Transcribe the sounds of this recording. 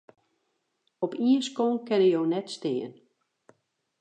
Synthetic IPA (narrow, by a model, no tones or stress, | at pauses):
ɔpiəskonkɛnəjownɛtstɪːən